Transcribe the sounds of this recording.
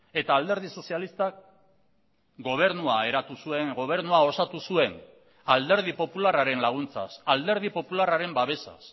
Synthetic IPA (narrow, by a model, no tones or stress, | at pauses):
e̞t̪aːld̪e̞ɾð̞iso̞sialist̪ak | ɡo̞β̞e̞ɾnuaeɾat̪usue̞ŋɡo̞β̞e̞ɾnuao̞sat̪usue̞n | ald̪e̞ɾð̞ipo̞pularaɾe̞nlaɣ̞unt͡sa̰sald̪e̞ɾðipo̞pularaɾe̞mbaβe̞sa̰s